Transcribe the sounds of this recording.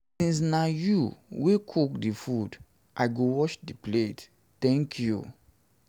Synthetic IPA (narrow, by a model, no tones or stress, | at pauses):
sĩns̬najuwekʰukdifud | ʔaɪɡowɔʃdiplet | tɛ̃ŋkʰjṵ